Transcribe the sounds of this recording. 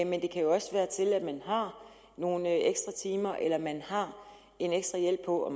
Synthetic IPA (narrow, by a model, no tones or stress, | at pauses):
mend̥e̝kʰæjo̝ɒ̽sʋæːɐt͡sʰe̝læd̥mænɦɑ̈ | no̝ːnəeɡ̥sd̥ʁɑt͡sʰiːmɐʔelɐmænhɑ̈ | e̝neɡ̥sd̥ʁɑ̈jel̰b̥̚pʰɒ̽ɒ̽